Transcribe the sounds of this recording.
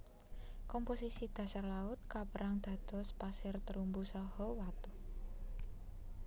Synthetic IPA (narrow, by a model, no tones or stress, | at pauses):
kɔmposisid̪̥ä̤sarlaʊt̪̚kapəɾaŋd̪̥ä̤d̪̥ɔ̤spasɪrt̪əɾumbusɔhɔwat̪u